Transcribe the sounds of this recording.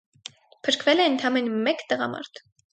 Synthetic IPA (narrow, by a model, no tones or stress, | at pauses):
pʰəɾkʰvɛlɛənt̪ʰɑmɛnmɛkt̪əʁɑ̰mɑ̰ɾt̪ʰ